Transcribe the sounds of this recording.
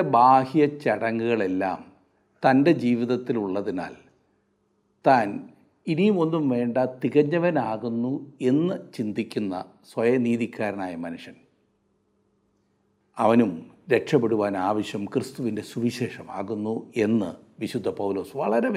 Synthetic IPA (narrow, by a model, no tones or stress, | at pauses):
baːhijɐt͡ɕɐɽɐŋːuɣɐɭe̞lːa̰ːm | t̪ɐnde̞d͡ʑiːʋiðɐt̪ːiluɭːɐðina̰ːl | t̪aːn | inimo̞nːumʋe̞ːɳɖɐt̪iɣɐɲːɐʋɐnaːɣunːue̞nːɨt͡ɕind̪ikʲːunːɐ̰ | sʋɐjɐniːðikʲːaːɾɐnaːjɐmɐnuʂɐn | ɐʋɐnumɾe̞ʈʂɐpːeɽuʋaːnaːʋɐɕjɐmkrɨst̪uʋinde̞suʋiɕe̞ːʂɐma̰ːɣunːue̞nːɨ̰ | ʋiɕud̪ʱːɐpɐwlo̞ːsʋɐɭɐɾe